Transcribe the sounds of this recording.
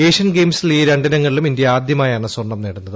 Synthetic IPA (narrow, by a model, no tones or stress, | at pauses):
eːʂɐnɡe̞ːmsiliːɾeɳɖɐnɐŋːɐɭilumind̪jɐaːd̪ʱjɐmaːjaːɳɨsworɳːɐmneːɽunːɐðɨ